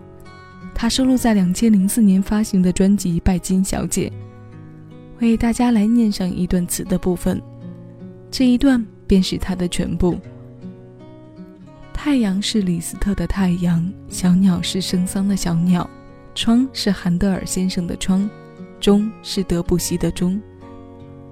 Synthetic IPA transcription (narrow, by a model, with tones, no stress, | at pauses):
t̪ʰa˥ʂo˥˧ʊlu˥˧t͡sa˥˩ɪljɑ˨˩ŋt͡ɕʰjɛ˥nli˧˥ŋsɹ̩˥˩njɛ˧˥nfa˥ɕi˧˥ŋd̪ə˧ʈ͡ʂwa˥nt͡ɕi˧˥pa˥˩ɪt͡ɕi˥nɕjɑ̰˧˥ʊt͡ɕjɛ̰˨˩˦ | we˥˧ɪt̪a˥˩t͡ɕja˥la˧˥ɪnjɛ˥˧nʂɑ˥˩ŋʔi˧˥t̪wa˥˩nt͡sʰɹ̩˧˩d̪ə˦pu˥˩fə˨˩n | ʈ͡ʂɤ˥˩i˧˥t̪wa˥˧npjɛ˥˧nʂɻ̩˥˩t̪ʰa˥d̪ə˨t͡ɕʰɥɛ̰˧˥npu˥˩ | t̪ʰa˥˩ɪjɑ˧˥ŋʂɻ̩˥˩li˨˩sɹ̩˥t̪ʰɤ˥˩d̪ə˩t̪ʰa˥˩ɪjɑ˧˥ŋɕjɑ˧˥ʊnjɑ˨˩ʊʂɻ̩˥˩ʂɤ˥ŋsɑ˥ŋd̪ə˨ɕjɑ˧˥ʊnjɑ˨˩˦ʊ | ʈ͡ʂʰwɑ˥ŋʂɻ̩˥˩xa˧˥nt̪ɤ˥˧ə̰˞˨˩ɕjɛ˥nʂɤ˥˩ŋd̪ə̰˨ʈ͡ʂʰwɑ˥ŋ | ʈ͡ʂʊ˥ŋʂɻ̩˥˩t̪ɤ˧˥pu˨˩ɕi˧˥d̪ə˨ʈ͡ʂʊ˥ŋ